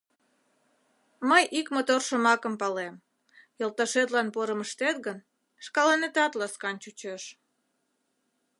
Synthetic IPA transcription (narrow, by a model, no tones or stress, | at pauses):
məjʔikmot̪orʃəmɑkəmpɑlem | jəlˠt̪ɑʃet̪lɑnpoɾəməʃt̪et̪̚ɣən | ʃkɑlɑnet̪ɑt̪lɑskɑnt͡ɕut͡ɕøʃ